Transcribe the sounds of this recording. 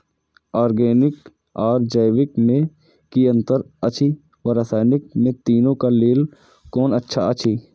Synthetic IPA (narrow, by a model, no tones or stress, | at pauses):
aːɾɡeːnɪk | ɔːɾd͡ʒəjwɪkmẽ | kiə̃nt̪əɾət͡ʃʰi | ʋəɾəsaːjnɪk̚mẽt̪iːnõkaleːl | kɔːnətːʃʰaət͡ʃʰi